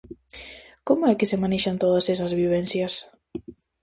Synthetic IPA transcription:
komʊɛkɪsemaneʃant̪oðɐsɛsɐzβiβ̞ɛnθjɐs

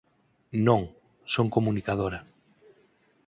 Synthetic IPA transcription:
nõŋ | soŋkomunikaðoɾa

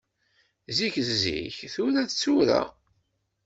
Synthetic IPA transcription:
ziçzzḭçθuɾæθt͡sːuɾæ̰

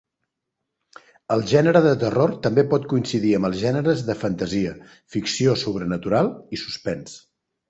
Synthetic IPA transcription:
əlˠʒɛnəɾəðət̪ərort̪əmbepɔt̪̚kuinsiðiəmbəlˠzʒɛnəɾəzðəfənt̪əziə | fiksiosuβ̞ɾənət̪uɾalˠisu̥spɛns

